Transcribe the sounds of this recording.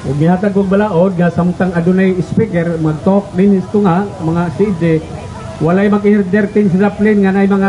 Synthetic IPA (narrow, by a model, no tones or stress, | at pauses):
ɡiɦat̪aɡɔɡ̚balaɔd̪̚ŋasamut̪aŋadunaispikɛrmaɡ̚t̪ɔk̚ninist̪uŋamaŋasid͡ʒɛ | walaimak̬inird̪ɛrt̪insidaplinŋanajmaŋa